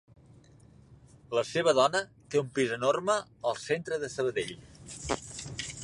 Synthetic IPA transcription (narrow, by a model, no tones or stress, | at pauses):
ləseβ̞əðɔnət̪eumpizənorməəlˠsent̪ɾəðəsəβəðeʎ